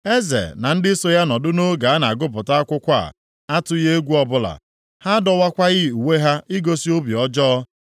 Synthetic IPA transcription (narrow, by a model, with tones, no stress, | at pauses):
e˦zḛ˨na˨n̩˦dɪ˦so˦ja˦nɔ˨dʊ˦no˦ɡa˨a˦na˨a˨ɡʊ˦p̬ʊ˨ta˦a˦kʷʊ˦kʷa̰˦˨ | a˦tʊ˦je˦e˦ɡʷu˦ɔ˦bʊ˦la̰˨ | ha˦dɔ˨wa˦kʷa˦ɣɪ˦u˨we˦ɦa˦ʔi˦ɡo˦si˦o˦bi˨ɔ˦d͡ʒɔ˦ɔ˦